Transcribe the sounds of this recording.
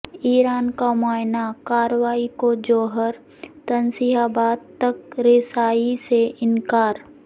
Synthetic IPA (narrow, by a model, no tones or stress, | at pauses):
iːɾaːnkamaːɪnakaːɾəʋaːikod͡ʒoːɦəɾ | t̪ɐnsiɦaːbaːd̪̚t̪ɐkɾɪsaːiseʔɪnkaːɾ